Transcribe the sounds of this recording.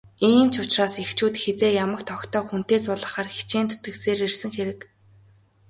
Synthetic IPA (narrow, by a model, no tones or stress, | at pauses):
iːmt͡ɕʊt͡ɕraːsixt͡ɕʰuːt̪xet͡seːjamə̆kt̪ʰɔkt̪ʰɔːxun̥t̪eːsʊɮə̆χaːrxi̥t͡ɕeːnt̪ʰʊ̥t̪ɡɘ̆kseːɾirsɘ̆ŋxeɾɘ̆k